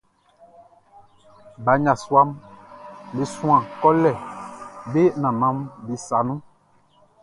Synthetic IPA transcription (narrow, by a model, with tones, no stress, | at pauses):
ba˨˦ɲa˨swa˦m | be˨sũ˦ã˦˨kɔ˦lɛ˨be˦nã˨nã˨˦mbi˨sa˨nũ˦